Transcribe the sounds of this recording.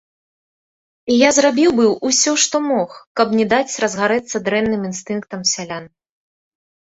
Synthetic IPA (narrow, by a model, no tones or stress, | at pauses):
ijazrabʲiwbɨwusʲɔʂt̪ɔmɔxkɐbnʲɛd̪at͡sʲrɐzɣaɾɛt̪sːɐd̪ɾɛnːɨminst̪ɨnk̚t̪ɐmsʲalʲan